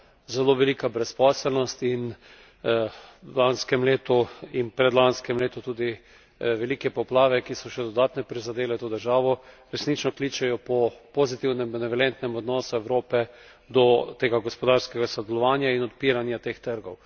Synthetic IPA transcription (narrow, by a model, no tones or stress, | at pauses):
zɛloːʋɛliːkabɾɛspɔːsɛlnɔst̪in | lanskɛmleːt̪uinpɾɛd̪lanskɛmleːt̪ut̪uːd̪i | ʋɛlikɛpɔplaːʋɛkisɔʃɛd̪ɔd̪aːt̪nɛpɾizad̪eːlɛt̪oːd̪əɾʒaːʋɔ | ɾɛsnit͡ʃnɔkliːt͡ʃɛjɔpɔpozit̪iwnɛmbɛnɛʋɛlɛnt̪nɛmɔd̪nɔsuɛwɾoːpɛ | d̪ɔt̪eːɡaɡɔspɔd̪aːɾskɛɡasɔd̪ɛlɔʋaːnjainɔt̪piːɾanjat̪ext̪əɾɡɔw